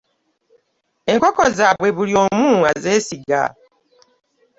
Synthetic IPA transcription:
e̞ŋko̞ko̞zaβwe̞βuljo̞ːmuːaze̞ːsiɡa̰

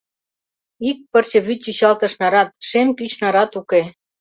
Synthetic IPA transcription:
ik̚pərt͡ɕɤ̆βyt̪̚ːyɕɑlt̪ɤ̆ʃnɑɾɑt̪̚ʃemkyt͡ɕnɑɾɑt̪uke

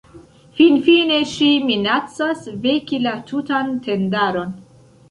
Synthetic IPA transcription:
finfine̞ʃiminat͡sasvekilatʰutantʰe̞ndaɾo̞n

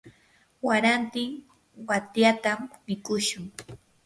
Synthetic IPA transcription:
waɾant̪ɪŋ | wat̪jat̪ammɪkʊʃʊŋ

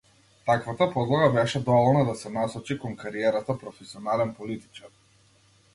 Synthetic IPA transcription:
t̪akvat̪apɔd̪lˠaɡabɛʃɛd̪ɔvɔlˠnad̪asɛnasɔt͡ʃikɔŋkaɾiɛɾat̪apɾɔfɛsiɔnalɛnpɔlit̪i̥t͡ʃaɾ

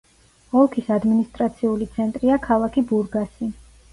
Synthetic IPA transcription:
ɔlˠkʰisad̪minist̪ʼɾat̪sʰiulit̪sʰɛnt̪ʼɾiakʰalˠakʰibuɾɡasi

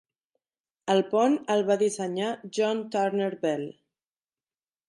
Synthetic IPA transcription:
əlˠpɔnəlˠβaðisəɲaʒɔnt̪aɾneɾβɛl

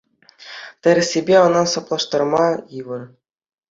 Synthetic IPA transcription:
t̪ʲɘ̆ɾʲsʲebʲeɤ̆nɑsɑplˠɑʂt̪ɑrmɑjɯʋɤ̆r

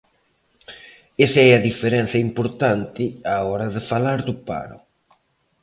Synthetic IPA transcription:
esɛaðifeɾɛn̟θjɐimpoɾt̪ant̪ɪaɔɾɐðɪfalaɾd̪ʊpa̰ɾʊ̰

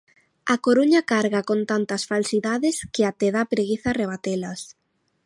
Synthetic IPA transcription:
ɐkoɾuɲakaɾɣakont̪ant̪ɐsfalsiðaðɪskɪat̪eðapɾeɣiθareβ̞at̪elɐs

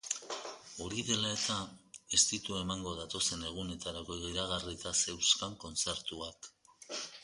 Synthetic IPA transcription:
oɾiðe̞lae̞t̪ae̞st̪it̪ue̞maŋɡo̞ðat̪o̞se̞ne̞ɣ̞une̞t̪aɾako̞iɣiɾaɣarit̪ase̞wskaŋko̞nt͡se̞ɾt̪uak

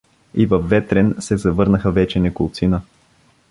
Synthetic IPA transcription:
ivɐfːɛt̪ɾɛnsɛzɐvɤɾnəxəvɛt͡ʃɛnɛkʊlˠt̪sinə

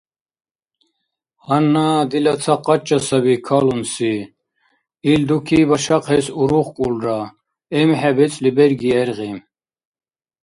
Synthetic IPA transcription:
hanːad̪ilat͡sʰaqʼːat͡ʃʼːasabikʰalunsi | ild̪ukʰibaʃaqʰɛsuɾuχkʼulɾa | ɛmħɛbɛt͡sʼlibɛɾɡiɛɾɣim

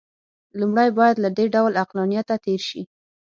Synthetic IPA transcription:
lumɽajbɑjad̪laɖ̪eɖawlaqlɑnijat̪at̪eɾʃi

